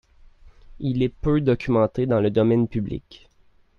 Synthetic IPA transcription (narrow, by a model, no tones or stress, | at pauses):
ilɛpød̪ɔkʲʰymɑ̃t̪ed̪ɑ̃ləd̪ɔmɛnpyblḭkʲ